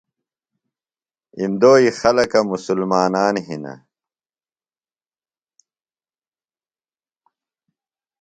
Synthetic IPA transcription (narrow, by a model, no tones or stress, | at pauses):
imd̪oːixɐlɐkɐmusulmaːnaːnɦinɐ̰